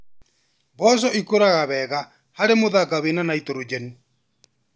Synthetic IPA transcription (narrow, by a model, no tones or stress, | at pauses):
βɔs̬ɔʔikoɾaɣaβɛɣa | haɾemoðaɡaβenanait̪oɾod͡ʒɛni